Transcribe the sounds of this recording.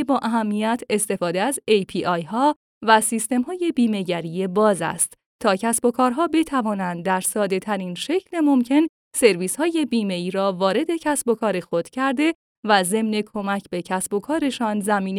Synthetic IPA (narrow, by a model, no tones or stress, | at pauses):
bɒːʔæɦæmːijæt̪ʰe̞st̪e̞fɒːd̪eæzejpʰiːʔɒjɦɒː | væsist̪e̞mhɒːje̞biːme̞ɟæɾijebɒːzæ̰st̪ | t̪ʰːɒːcʰæsbo̞kʰɒːɾɦɒːbe̞t̪ʰævɒːnænd̪d̪æɾsɒːd̪e̞t̪ʰæɾinʃe̞cʰlemo̞mcʰe̞n | se̞ɾviːshɒːje̞biːme̞iːɾɒːvɒːɾe̞d̪e̞cʰæsbo̞kʰɒːɾe̞xo̞d̪̥cʰæɾd̪e̞ | væze̞mne̞kʰo̞mæcʰbe̞cʰæsbo̞kʰɒːɾe̞ʃɒːnzæmiːn